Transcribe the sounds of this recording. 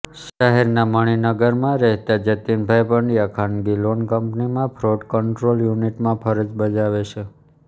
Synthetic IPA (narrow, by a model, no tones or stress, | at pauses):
ʃəɦɛɾnaməɽ̃inəɡəɾmãɾɛɦt̪ad͡ʒət̪inbʱajpəɳɖijakʰanɡilonkəmpnimãpʰɾoʈkəɳʈɾoljuniʈmãpʰəɾəd͡ʒbəd͡ʒaʋet͡ʃʰe